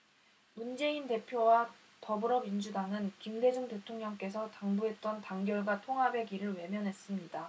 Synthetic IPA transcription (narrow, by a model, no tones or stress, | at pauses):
mund͡ʑe̞inte̞pʰjowa | tʌbɯɾʌmind͡ʑudaŋɯnkimde̞d͡ʑuŋte̞tʰoŋɲʌŋk͈e̞sʰʌtaŋbuɦe̞t̚t͈ʌntaŋɡjʌɭɡwatʰoŋɦabe̞ɡiɾɯɭwe̞mjʌnɦe̞s͈ɯmɲida